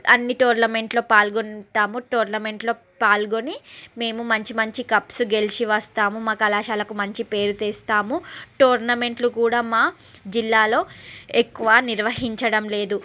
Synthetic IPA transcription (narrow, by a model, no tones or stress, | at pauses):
ɐ̰nːiʈoːɾnɐme̞ɳʈloːpaːlɡonʈaːmuʈoːɾnɐme̞ɳʈlo̞ː | paːlɡo̞nime̞ːmumɐɲt͡ʃimɐɲt͡ʃikɐpsuɡe̞lisiʋɐst̪aːmumaːkɐlaːʃaːlɐkumɐɲt͡ʃipe̞ːɾut̪eːst̪aːmuʈoːɾnɐme̞ɳʈlukuːɽaːmaː | d͡ʒilːaːlo̞ːekːuʋaːniɾʋɐɦiɲt͡ʃɐɽɐmle̞ːd̪u